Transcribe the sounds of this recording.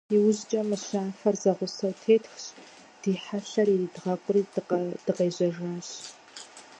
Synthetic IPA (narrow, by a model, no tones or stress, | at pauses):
iwʊʑt͡ʃʼɐmɨɕaːfɐrzɐʁʷʊsɐwtʰeːtxɕ | d̥iːħaɬɐridʁɐkʷʼʊriːd̥ɨqeːʑɐʒaːɕ